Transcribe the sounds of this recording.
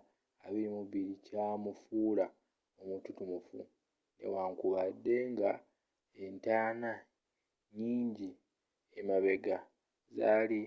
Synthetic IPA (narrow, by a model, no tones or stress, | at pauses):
aβiɾimuβiɾicamufuːla | omututumufṵ | ne̞̰waŋkuβadːe̞ŋɡa | entaːna | ɲiːɲɟi | emaβe̞ɡa | zaːli